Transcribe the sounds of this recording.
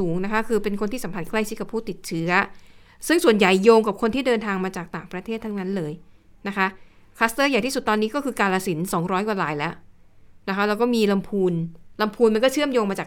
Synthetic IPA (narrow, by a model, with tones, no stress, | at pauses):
uː˩˦ŋna˦˥kʰa˦˥kʰɯː˧pe˧nkʰo˧nt̪ʰiː˥˩sa˨˦pʰa˧˩t̚kla˥˩jt͡ɕʰi˦˥ka˨˩pʰuː˥˩t̪i˨˩t̪̚t͡ɕʰɯ˦˥ɐ | sɯ˥˩ŋsu˨˩ənja˨˩jːoː˧ŋka˨˩p̚kʰo˧nt̪iː˥˩dɤː˧nt̪ʰaː˧ŋmaː˧t͡ɕaː˨˩k̚t̪aː˨˩ŋpɾa˧t̪ʰeː˥˩t̪ʰːa˧˥ŋna˦˥nlɤː˧j | na˦˥kʰa˦˥ʔkʰa˦˥st̪ɤː˥˩ja˨˩t̪ʰiː˥˩su˨˩t̪ːɔː˧nːiː˦˥kɔː˥˩kʰɯː˧kaː˧nlaː˧si˩˦nsɔː˩˦ŋɾɔː˦˥jkwa˨˩laː˨˩jlɛ˦˥ʔ | na˦˥kʰa˦˥lɛː˦˥wkɔː˥˩miː˧la˧mpʰuː˧nla˧mpʰuː˧nma˧nkɔː˥˩t͡ɕʰɯ˥˩əmjoː˧ŋmaː˧t͡ɕaː˨˩